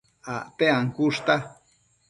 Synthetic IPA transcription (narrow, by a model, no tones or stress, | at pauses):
aʔt̪eaŋkuʂt̪a